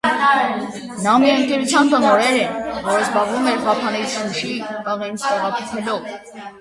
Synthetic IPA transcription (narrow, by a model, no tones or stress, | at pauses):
nɑmiəŋkɛɾut͡sʰjɑnbənɔɾɛɾɛvɔɾəzbɑʁvumɛɾpɑpʰɑnɛt͡sʰuʃiəʁɛnt͡sʰt̪ɛʁɑpʰɔχʰɛlɔv